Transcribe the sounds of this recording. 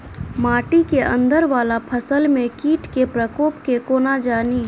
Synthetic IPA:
maːʈikeʔə̰̃nd̪əɾʋaːlapʰəsəlmẽkiːʈkepɾəkoːpkekoːnad͡ʒaːniː

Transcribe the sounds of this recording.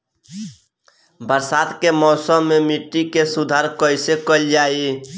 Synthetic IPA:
bəɾsaːd̪kemɔːsəːemiʈːikesud̪ʱaɾkəɪsekəld͡ʒaːi

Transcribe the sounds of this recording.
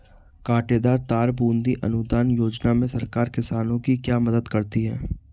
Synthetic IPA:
kaːʈeːd̪aːɾt̪aːɾbũːnd̪iʔɐ̰nʊd̪aːnjoːd͡ʒnamẽsɐɾkaːɾkɪsaːnõkikjaːmɐd̪əd̪kɐɾt̪iɦɛ̰ː

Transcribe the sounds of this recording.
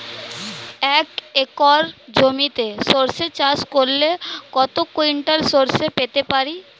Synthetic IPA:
ɛːkekɔːɾd͡ʒomit̪esoːɾset͡ʃaːskolːekɔːt̪okoiɳʈəɾsoːɾsepeːt̪epaːɾiː

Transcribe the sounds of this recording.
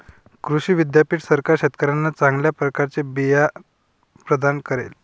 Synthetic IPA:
kɾuɕiːʋid̪japiːʈsəɾkaɾɕet̪kəɾanːat͡sãŋɡljapɾəkaɾt͡sebija | pɾəd̪ankəɾḛl

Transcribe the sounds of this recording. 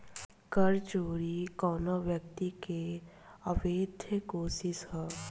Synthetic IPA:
kəɾt͡ʃoːɾikɔːnaʋjəkt̪ike | əʋeːd̪ʱjəkoːsɪsɦɛː

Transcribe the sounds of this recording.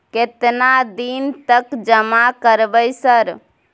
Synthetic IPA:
ket̪nad̪int̪əkd͡ʒəmakəɾbəjsəɾ

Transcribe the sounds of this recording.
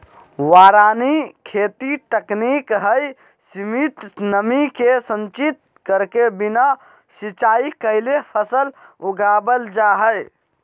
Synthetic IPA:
waɾanikʰet̪iʈ̪əknikɦəj | simit̪nəmikesə̃nt͡ʃit̪̚ | kəɾkebina | sit͡ʃaikəlepʰəsəluɡabəld͡ʒaɦəj

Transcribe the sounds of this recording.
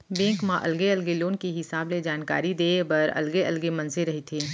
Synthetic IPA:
bẽːŋkmãʔɐ̰lɡeɐlɡeloːnkiɦɪsaːbled͡ʒaːnka̰ːɾid̪eːbɐɾɐ̰lɡeɐlɡemɐ̃nseɾɐɦit̪ʰiː

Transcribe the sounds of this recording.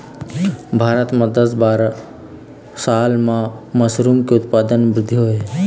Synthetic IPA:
bʱaːɾət̪məd̪əsbaːɾ | saːlmãməsɾuːmkeʊt̪paːd̪ənbɾɪd̪ʱːiɦoe

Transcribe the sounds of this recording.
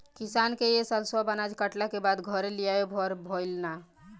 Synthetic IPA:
kisankejesəlswabənad͡ʒkəʈlakebad̪ɡʱəɾelijajobʱɔɾbʱoɪlna

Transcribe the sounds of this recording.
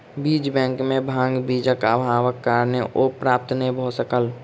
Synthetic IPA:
biːd͡ʒbɛ̃ːŋkmẽbʱãːŋɡbiːd͡ʒəkabʱaːwəkːaɾneʔopɾaːp̚t̪nəĩbʱoːsəkəl

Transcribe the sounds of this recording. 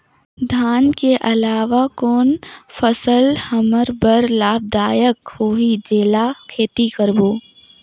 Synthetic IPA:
d̪ʱaːnkeʔɐlaːʋakoːnfəsəlhəməɾbəɾlaːb̚d̪aːjəkhoːɦid͡ʒeːlakʰeːt̪ikəɾboː

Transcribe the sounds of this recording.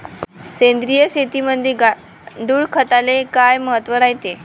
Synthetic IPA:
send̪ɾijəɕet̪iməd̪ʱeɡa | ɳɖuːɭkʰət̪alekajməɦət̪ʋəɾajt̪e

